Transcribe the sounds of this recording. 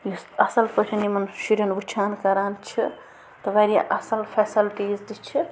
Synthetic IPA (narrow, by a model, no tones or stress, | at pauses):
jusɐsɐlpət͡ʃʲʰɐnimɐnʃuɾʲɐnbut͡ʃʰaːnkɐɾaːnt͡ʃʰi | t̪ɐʋeɾija̰ʔɐsɐlpʰeːsɐlʈiːzd̪it͡ʃʰi